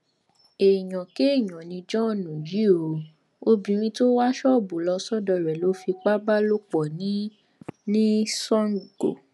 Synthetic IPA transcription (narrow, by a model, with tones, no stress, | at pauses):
e˨j̃ɔ̃˨ke˦˨j̃ɔ̃˨nĩ˧d͡ʒɔ̃˦˨nũ˨ji˨˦o˨ | o˦bĩ˧ɾ̃ĩ˧to˦wa˦ʃɔ˦˨bo˨˦lɔ˧sɔ˦dɔ˧˨ɾɛ˨lo˨˦fi˧k͡pa˦ba˦lo˦k͡pɔ˨nĩ˨˦ | nĩ˦sɔ̃˦n˨ɡo̰˨